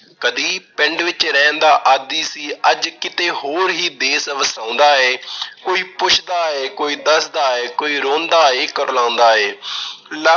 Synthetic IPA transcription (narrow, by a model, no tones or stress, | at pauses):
kəd̪iːpɛɳɖʋɪt͡ʃɾɛːnd̪aːʔəd̪iːsiːəd͡ʒkɪt̪eːɦoːɾɦiːd̪eːsʋəsãːʊ̃nd̪aːɛːkoːiːpʊt͡ʃʰd̪aːɛːkoːiːd̪əsd̪aːɛːkoːiːɾoːnd̪aːeːkəɾlãːʊ̃nd̪aːɛːlə